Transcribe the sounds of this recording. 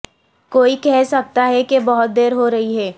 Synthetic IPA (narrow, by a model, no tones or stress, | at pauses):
koːikɛɦsɐk̚t̪aɦɛkebɐɦʊt̪̚d̪eːɾɦoɾɐɦiɦɛː